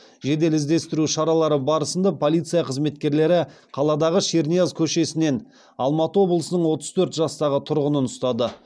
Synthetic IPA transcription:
ʒe̞d̪e̞lɪzd̪e̞st̪ɪɾuʃɑɾɑlˠɑɾəbɑɾəsənd̪ɑpʰo̞lˠijt̪sɨjɑqʰəzme̞t̪kʲe̞ɾle̞ɾɪ | qʰɑlˠɑd̪ɑʁəʃeɾnijazkʲʰɵʃe̞sɪne̞n | ɑlˠmɑt̪əwo̞blˠəsənəɴwo̞t̪əz̥t̪ʰɵɾt̪ʒɑst̪ɑʁət̪ʰʊɾʁənənʊst̪ɑd̪ə

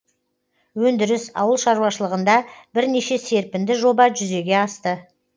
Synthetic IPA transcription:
wɵnd̪ɪɾɪsɑ̰wəlˠʃɑɾuwɑʃəlˠəʁənd̪ɑbɪɾne̞ʃe̞se̞ɾpɪnd̪ɪʒo̞bɑʒʏze̞ɡʲe̞ɑst̪ə

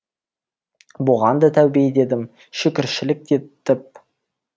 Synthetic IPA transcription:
bʊʁɑnd̪ət̪ʰæwbejd̪e̞d̪ɪm | ʃɪkʲɪɾʃɪlɪk̚d̪et̪ʰːɪp̚

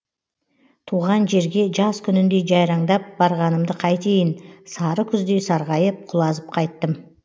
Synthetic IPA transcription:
t̪ʰuʁɑnʒe̞ɾɡʲe̞ʒɑskʲʰʏnɪnd̪e̞ʒɑjɾɑɴd̪ɑp̚bɑɾʁɑnəmd̪əqʰɑjt̪ʰe̞jɪnsɑɾəkʲʰʏzd̪e̞sɑɾʁɑjəp̚qʰʊlˠɑzəp̚qʰɑjt̪ːəm

